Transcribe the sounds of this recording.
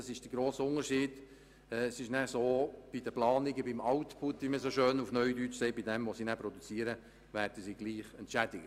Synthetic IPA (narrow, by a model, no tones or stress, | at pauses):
ɑsɪʃd̥əɡɾoːsʊŋəɾʃiːd̥ | ɛsɪʃnæsoːb̥idəplɑːnɪɡəbɪmɑʊt̪pʰʊt̪ʋiməsoʃøːnufnœɥdyt͡ʃsɛɪbidɛmʋosinæpɾɔdut͡siːəɾə | væːɾdəsiːɡliːχɛntt͡ʃædɪɡə